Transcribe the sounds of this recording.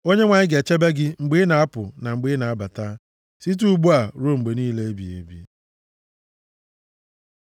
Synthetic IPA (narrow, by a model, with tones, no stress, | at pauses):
o˦ɲe˦ŋʷa˨ɲɪ˦ɡe˨t͡ʃe˦be˦ɡɪ˦ŋ͡m̩˨ɡ͡bi˦na˨a˦pʊ˨na˨ŋ͡m̩˨ɡ͡bi˦na˨a˦ba˨ta˦ | si˦t̬u˦ɡ͡bu˦a˨ɾo˦ŋ͡m̩˨ɡ͡be˨niː˦le˦e˦bḭ˨ḛ˨bḭ˦